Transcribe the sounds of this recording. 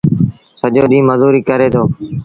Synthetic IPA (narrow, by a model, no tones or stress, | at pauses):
səd͡ʒoːɗĩːməzuːɾiːkəɾeːt̪ʰoː